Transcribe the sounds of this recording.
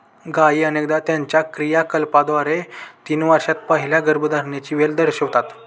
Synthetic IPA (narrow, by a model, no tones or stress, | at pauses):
ɡaiːənekd̪at̪jãɲt͡ɕjakɾijakəlpad̪ʋaɾet̪iːnʋaɾɕat̪̚pəɦiljaɡəɾbud̪aɾɳjat͡ɕiːʋeld̪əɾɕəʋt̪at̪